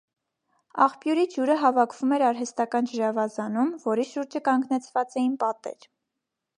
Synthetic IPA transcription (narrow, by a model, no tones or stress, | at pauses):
ɑ̰χpjuɾid͡ʒuɾəɦɑvɑkʰv̥umɛɾɑɾɦɛst̪ɑkɑnd͡ʒəɾɑvɑzɑnumvɔɾiʃuɾd͡ʒəkɑŋɡnɛt͡sʰvɑt͡sɛjinpɑt̪ɛ̰ɾ